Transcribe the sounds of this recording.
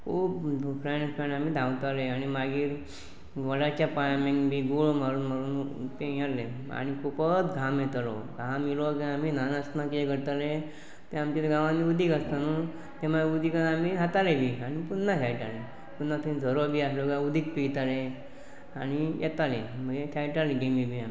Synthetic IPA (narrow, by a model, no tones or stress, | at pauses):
kʰuːppɾanpanam̤iːd̪ʱãwt̪aleaɽ̃ñimaɡiːɾ | ʋəɽat͡ɕjapajamẽŋbiːɡuɭmaɾuːnməɾuːnt̪ejaɾle | a̰ñikupət̪ɡʱamjɛt̪aloɡʱamːilokãaminanast̪nakeɡəɾt̪ale | t̪ẽamt͡ɕeɡãʋãnːiud̪ʱiːkast̪anu | t̪em̤aud̪ʱikaamiɦat̪alebʱiːaɽ̃ipunːasʰajʈalẽ | punːat̪ʰəĩnd͡zʱəɾobiːasloɡaud̪ʱiːk̚piɡt̪ale | añijʔɛt̪alemə̃esajʈaleɡemibʱiami